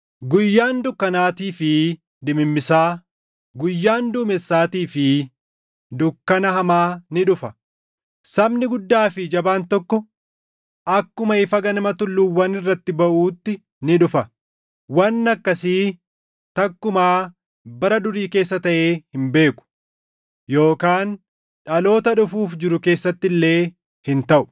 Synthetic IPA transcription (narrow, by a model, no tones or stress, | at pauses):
ɡʊjːaːnd̪ʊkːɐnaːt̪iːfɪ | d̪ɪmɪmːɪsaː | ɡʊjːaːnd̪uːmɛsːaːt̪iːfɪ | d̪ʊkːɐnɐhɐmaːnɪᶑʊfɐ | sɐbnɪɡʊd̪ːaːfɪd͡ʒɐbaːnt̪ɔkːɔ | ʔɐkːʊmɐɪfɐɡɐnɐmɐt̪ʊlːuwːɐnɪrːɐt̪ːɪbɐʔuːt̪ːɪ | nɪᶑʊfɐ | wɐnːɐkːɐsiː | t̪ɐkːʊmaː | bɐɾɐd̪ʊɾiːke̞ːs̬ːɐt̪ɐʔe̞ːhɪmbe̞ːkʊ̥ | jo̞ːkaːn | ᶑɐlo̞ːt̪ɐᶑʊfuːfd͡ʒɪɾʊke̞ːsːɐt̪ːɪlːe̞ː | hɪnt̪ɐʔʊ̥